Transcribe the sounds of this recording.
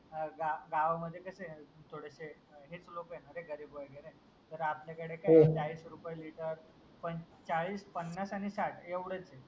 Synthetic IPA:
ɡaɡaʋməd̪ʱːjekəset̪ʰoɽəse | ɦet͡slokjenəɾeɡəɾiːbʋəɭɡenaj | t̪əɾapljakəɽekajd͡ʑaɭiːsɾupəjliʈəɾ | pən | t͡saɭiːspənːasaɽ̃isaʈʰeʋɽət͡se

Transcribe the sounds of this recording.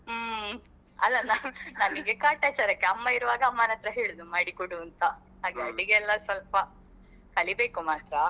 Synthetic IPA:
ɐlːɐnɐnɐmiɡekaːʈeːt͡ʃɐɾɐkːeɐmːɐiɾuʋaːɡɐːmːɐnɐt̪ɾɐɦeːɭud̪umaːɽikuɽuɐnt̪ɐ | ɦaːɡeɐɽiɡeɛlːɐsʋɐlpɐ | kɐlibe̞ːkumaːt̪ɾɐ

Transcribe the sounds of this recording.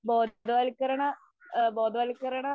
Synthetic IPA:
boːd̪ɐʋɐlkːɐɾɐɳɐ | boːd̪ʱɐʋɐːlikːɐɾɐɳɐ

